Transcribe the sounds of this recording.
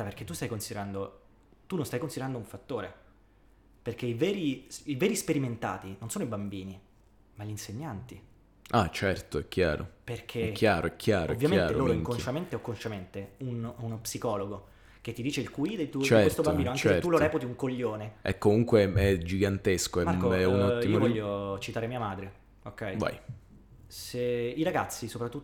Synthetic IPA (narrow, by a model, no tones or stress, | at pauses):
aperk̟et̪ːust̪ajkonsid̪eɾand̪o | t̪unːõnst̪ajkonsid̪eɾand̪ouɱfat̪ːoːɾe | perk̟eivɛːɾisivɛːɾispeɾiment̪a̰ːt̪inonsoːnoibambiːni | maʎinseɲːant̪i | at͡ʃɛrt̪oɛkʰːja̰ːɾo̰perk̟ʰeɛkʰːjaːɾo̰ɛkʰjaːɾoovːjamenaːɾeloːɾoiŋkonʃament̪eɔkːonʃament̪eununpsikɔːloɡo | k̟et̪ːid̪iːt͡ʃeilkuid̪elt̪ut͡ʃiɛwest̪obbambiːnoaŋt͡ʃkeet̪uloɾɛːput̪iuŋkoʎːoːneɛ̰kːomuŋkweɛd͡ʒiɡant̪eskoɛmakoɛunɔimvɔʎːot͡ʃit̪aːɾemiːamaːd̪ɾe | okːɛjva̰j | seiɾaɡat̪sːisopɾat̪ːu